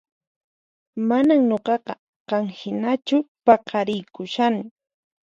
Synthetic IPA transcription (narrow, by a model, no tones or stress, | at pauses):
manaŋɲoqɑqɑ | qɑŋhɪnat͡ʃʊpɑqɑɾɪjkʊʃanɪ